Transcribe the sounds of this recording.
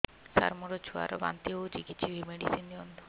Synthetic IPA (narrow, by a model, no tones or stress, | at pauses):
sa̰ɾmuɾot͡ʃʰua̰ɾoba̰nt̪iot͡ɕikit̪ːt͡ʃʰibʱimeɖisind̪iond̪ʱo